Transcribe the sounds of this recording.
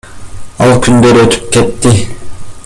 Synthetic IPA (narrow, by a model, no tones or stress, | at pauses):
ɑ̰lˠkʲʰynd̪ø̞ɾøt̪ʰy̥p̚ket̪ːi